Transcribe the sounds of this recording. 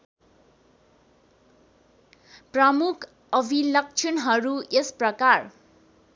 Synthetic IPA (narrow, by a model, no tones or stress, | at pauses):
prʌmukʰ | ʌbʱilʌk̚t͡ʃʰʌnɦʌɾuesprʌkar